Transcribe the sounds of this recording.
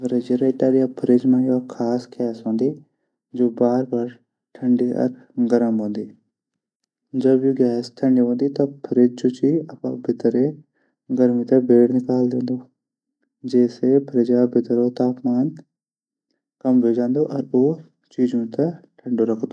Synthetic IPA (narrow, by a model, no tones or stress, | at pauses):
pʰɾed͡ʒeɾeːʈaːɾijapʰəɾed͡ʒmãːjokʰaːsɡɛːsɦõːnd̪i | d͡ʒoːbaːɾbaːɾ | ʈʰɐ̃ɳɖiɔ̰ɾ | ɡəɾəmɦõːnd̪iː | d͡ʒɐbjoːɡɛːsʈʰɐ̃ɳɖiɦõːnd̪it̪ɐpʰəɾed͡ʒd͡ʒoːt͡ʃiɐpa̰bʱɪt̪ɾe | ɡəɾmit̪ɐbʱeːɽnɪkaːld̪ẽːnd̪oː | d͡ʒɛːsepʰəɾed͡ʒabʱɪt̪ɾot̪aːpmaːn | kɐmbeːd͡ʒãːnd̪oʔɔɾoː | t͡ʃiːd͡ʒõt̪ɐʈʰɐ̃ɳɖoɾɐkʰd̪oː